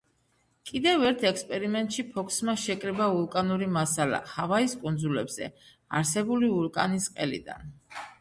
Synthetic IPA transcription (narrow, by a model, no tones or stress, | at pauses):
kʼid̪ɛvɛɾt̪ʰɛkspʼɛɾimɛnt̪ʼʃipʰɔkʰsmaʃɛkʼɾɛbaulkʼanuɾimasala̰havaiskʼund̪zulɛbz̥ɛ̰ | aɾsɛbuliuɾkʼanisqʼɛlḭd̪a̰n